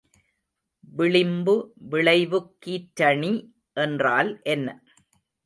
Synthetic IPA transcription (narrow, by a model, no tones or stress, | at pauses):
ʋɪɭɪmbɯʋɪɭɐɪʋɯkːiːʈɾɐɳi | ʔɛndraːlʔɛnːɐ